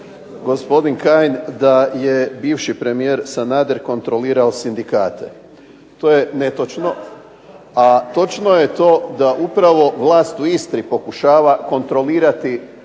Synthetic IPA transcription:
ɡo̞spo̞d̪inkajnd̪ajebiːʋʃipɾe̞mijeɾsanaːd̪eɾko̞nt̪ɾo̞liːɾaosind̪ikaːt̪ʰḛ | t̪o̞ːjenet̪o̞t͡ʃno̞ | at̪o̞t͡ʃno̞je̞t̪o̞ːd̪aʔupɾaʋo̞ʋlˠaːst̪uist̪ɾipo̞kuʃaːʋako̞nt̪ɾo̞liːɾat̪i

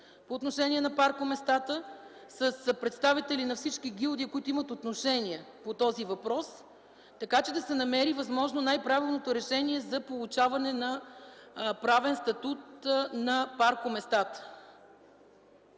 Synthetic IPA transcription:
poːt̪noʃɛniɛnɐpaɾkomɛst̪at̪ə | səspɾɛt̪st̪avit̪ɛlinɐfsit͡ʃkiɡʲilˠd̪iəkoit̪oimət̪ot̪noʃɛniɛ | pot̪ɔzivɐpɾɔs | t̪ɐkat͡ʃɛd̪ɐsɛnɐmɛɾivɐzmɔʒnonajpɾavilˠnot̪oɾɛʃɛniɛzɐpolˠut͡ʃavɐnɛnɐ | pɾavɛnst̪ɐt̪ut̪̚nɐpaɾkomɛst̪at̪ə̥

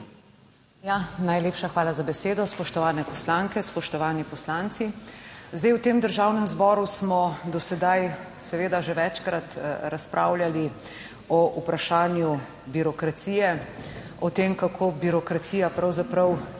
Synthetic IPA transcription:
janajleːpʃaxʋaːlazabɛseːd̪ɔspɔʃt̪ɔʋaːnɛpɔslaŋkɛspɔʃt̪ɔʋaːnipɔslaːnt̪sizd̪ejwt̪emd̪əɾʒawnɛmzbɔːɾusmɔd̪ɔsɛd̪aj | sɛʋeːd̪aʒɛʋɛt͡ʃkɾat̪ɾaspɾʔa̰ːwljali | ɔʔupɾaʃaːnju | biɾɔkɾat̪siːjɛ | ɔt̪emkakʰobiɾɔkɾat̪sijapɾawzapɾɐw

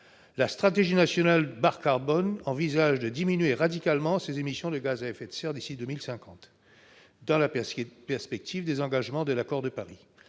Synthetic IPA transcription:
last̪χat̪eʒinasjɔnalbaʁkaʁbɔnɑ̃vizaʒd̪əd̪iminɥeʁad̪ikalmɑ̃sezemisjɔ̃d̪əɡazaɛfɛt̪sɛʁd̪isid̪ømilsɛ̃kɑ̃t̪ | d̪ɑ̃lapɛʁspɛk̚t̪ʰivd̪ezɑ̃ɡaʒmɑ̃d̪əlakɔʁd̪əpaʁi

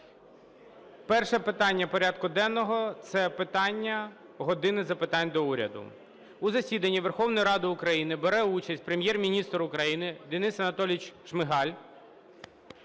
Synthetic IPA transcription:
pɛrʃɛpɪt̪ɑnʲːɐpɔɾʲɑd̪kʊd̪ɛnːɔɦɔt̪sɛpɪt̪ɑnʲːɐ | ɦɔd̪ɪnɪzɐpɪt̪ɑnʲd̪ɔuɾʲɐ̰d̪ʊ̰ | uzɐsʲid̪ɐnʲːiʋerxɔwnɔjiɾɑd̪ɪʊkɾɐjinɪbeɾɛut͡ʃɐsʲtʲpɾemʲjɛrmʲinʲist̪ɾʊkɾɐjinɪd̪enɪsɐnɐt̪ɔlʲɪt͡ʃʃmɪɦɑlʲ

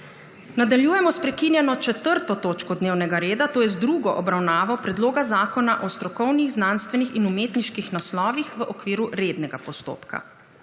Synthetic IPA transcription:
nad̪aljuːjɛmɔspɾɛkinjɛnɔt͡ʃɛt̪əɾt̪ɔt̪oːt͡ʃkɔd̪neːwnɛɡaɾeːd̪at̪oːjɛzd̪ɾuɡɔʔɔbɾawnaːʋɔpɾɛd̪loːɡazaːkɔnaʔɔst̪ɾɔkɔwniɣznanst̪ʋɛnixinumeːt̪niʃkixnaslɔːʋixʋəʔɔkʋiːɾuɾed̪nɛɡapɔst̪o̰ːpkʰa̰

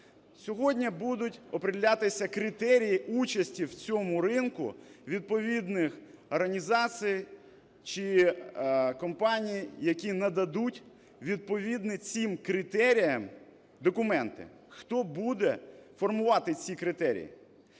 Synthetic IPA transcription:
sʲɔɦɔdʲnʲibud̪ʊtʲɔpɾɪdʲɪlʲat̪ɪsʲɐkɾɪt̪ɛɾʲijiʔut͡ʃɐsʲtʲiwt͡sʲɔmʊɾɪnkʊ̰ʋʲid̪̚pɔʋʲid̪nɪx | ɔrɦɐnʲizɑt͡sʲij | t͡ʃɪ | kɔmpɑnʲijijɐkʲinɐd̪ɐd̪utʲ | ʋʲid̪̚pɔʋʲid̪nɪt͡sʲimkɾɪt̪ɛɾʲijɐm | d̪ɔkʊmɛnt̪ɪ̰ | xt̪ɔbud̪ɛfɔrmʊʋɑt̪ɪt͡sʲikɾɪt̪ɛɾʲḭjḭ

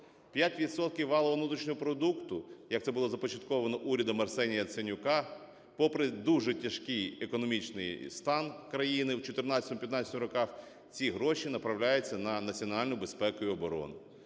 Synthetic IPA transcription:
pʲjatʲʋʲid̪sɔt̪̚kʲiwʋːɑlˠɔɦɔnut̪ɾit͡ʃnʲɔɦɔpɾɔd̪ukt̪ʊjɐkt̪sɛbʊlˠɔzɐpɔt͡ʃɐt̪kɔʋɐnɔʔuɾʲɐd̪ɐmɐrsɛnʲijɐt̪senʲʊkɑ | pɔpɾɪd̪uʒɛtʲɐʃkɪjekɔnɔmʲit͡ʃnɪ̰jst̪ɑnkɾɐjinɪwt͡ʃɔt̪ɪrnɑt͡sʲɐt̪ɔmpjɐt̪nɑt͡sʲɐt̪mɾɔkɑx | t͡sʲiɦɾɔʃinɐpɾɐwlʲajʊt͡sʲːɐnɐnɐt͡sʲiɔnɑlʲnʊjʊbespɛkʊjʊɔbɔɾɔ̰nɪ

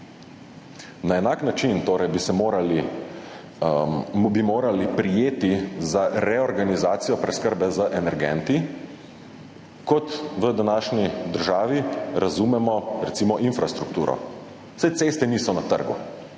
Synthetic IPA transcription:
naɛnaːknat͡ʃint̪oːɾɛjbisɛmoːɾali | bimoːɾalipɾijeːt̪izaɾɛɔɾɡanizaːt̪sijɔpɾɛskəɾbɛzəʔɛnɛɾɡɛ̰nt̪i | kɔt̪ʋəd̪anaːʃnid̪əɾʒaːʋiɾazumɛmɔɾɛt̪siːmɔʔinfɾast̪ɾukt̪uːɾɔ̰̥ | sajt̪seːst̪ɛniːsɔnat̪ə̰ɾɡṵ

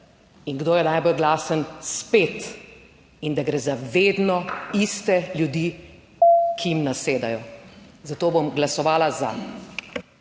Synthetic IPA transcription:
iŋɡd̪oːjɛnajbɔlɡlaːsənspeːt̪ | ind̪aɡɾɛːzaʋeːd̪nɔist̪ɛljud̪iː | kʰiimnaseːd̪ajɔzat̪oːbomɡlasɔʋaːlaza̰

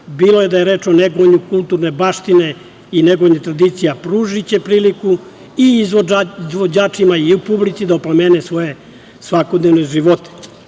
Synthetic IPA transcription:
biːlo̞je̞d̪ajeɾe̞ːt͡ʂoneɡoɲukulˠt̪uɾne̞baːʃt̪ine̞ | ineɡoɲet̪ɾad̪iːt̪sijapɾuʒit͡ɕe̞pɾiːliku | iizoizʋod͡ʑaːt͡ʂimaiupublit̪sid̪aoplameːnesʋo̞je̞ | sʋako̞d̪ne̞ʋne̞ʒiʋot̪e̥

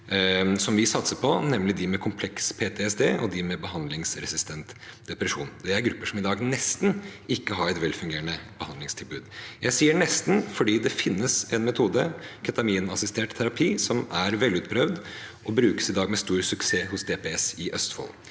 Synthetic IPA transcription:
sɔmʋɪsɑt̪səpʰɔnɛmlɪd̪ɪmɛkʰʊmpʰlɛkspʰeːt̪ʰɛɛsd̪eːʔɔd̪ɪmɛbəɦɑnd̪lɪŋsɾɛsɪst̪ʰɛnt̪d̪ɛpɾɛʂuːnd̪ɛæɾɡɾʉpːəʂɔmɪd̪ɑːɡnɛst̪nɪkːəɦɑɾɛt̪ʋɛlfʉŋɡeːənəb̥əhɑnd̪lɪŋst̪ʰɪlbʉːd̪jæɪsiːəɳɛst̪n̩fɔɖiːd̪ɛfɪnːəsɛnmɛt̪ʰuːd̪əkʰœt̪ɑmiːnɑsɪst̪eːʈt̪ʰæɾɑpʰiːsɔmæɾʋɛlːʉːt̪̚pʰɾœʋd̪ | ʔɔbɾʉːkə̥sɪd̪ɑːɡmɛst̪uːɾsʉkseːhʊsd̪eːpɛɛsɪʔœst̪fɔ̰l

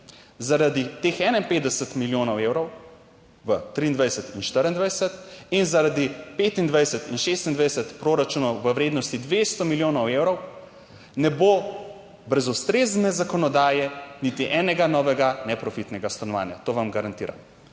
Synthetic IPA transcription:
zaɾad̪it̪exɛnainpeːd̪d̪ɛsət̪miljonɔweːwɾɔw | ʋət̪ɾiːnd̪ʋajsɛt̪inʃt̪əɾind̪ʋajsɛt̪inzaɾad̪ipet̪ind̪ʋajsɛt̪inʃest̪ind̪ʋajɛsɛt̪pɾoɾat͡ʃuːnɔwʋəʋɾeːd̪nɔst̪id̪ʋest̪ɔmiljoːnɔwewɾɔw | nɛbo | bɾɛzust̪ɾeːznɛzakɔnɔd̪aːjɛnit̪iʔɛnɛɡanɔːʋɛɡanɛpɾɔfit̪nɛɡast̪anɔʋa̰ːnja̰t̪oʋamɡaɾant̪iːɾa̰

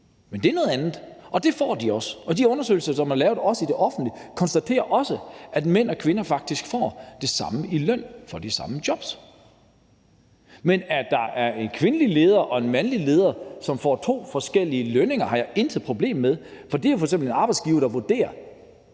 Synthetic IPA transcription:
mend̥e̝æɐnɔ̽ð̞ˠænð̞̩ˠʔɒ̽d̥e̝fɒ̰ːd̥iɒ̽sɒ̽d̥iɔ̽nɐsø̰ɪl̩sɐsɒ̽mæɐlɛːʊðˠɒ̽səid̥e̝ʔɒ̽fn̩d̥likʰɒ̽nsd̥æt͡sʰe̝̰ːɐʔɒ̽səʔæd̥men̰ɒ̽kʰʋe̝nɐfɑ̈ɡ̥̚d̥isɡ̥fɒ̰ːd̥e̝sɑ̈məʔilœn̰fɒd̥isɑ̈məd̥jɒ̽b̥s | menæd̥ɑ̈ʔæɐe̝nkʰʋe̝nəlile̝ːð̞ˠɐʔɒ̽e̝nmænlile̝ːð̞ˠɐsɒ̽mfɒ̰ːt͡sʰo̝̰ːfɒ̽sɡ̥el̰iəløne̝ŋɐhɑ̈jɑ̈e̝nd̥ʰəð̩ˠpʰʁo̝b̥le̝̰ːmmeðˠfɒ̽d̥e̝æfɒ̽ɐɡ̥ksemble̝nɑ̈ːb̥ɑɪd̥sɡ̥iːʊɐd̥ɑ̈ʋuɐd̥e̝̰ːɐ

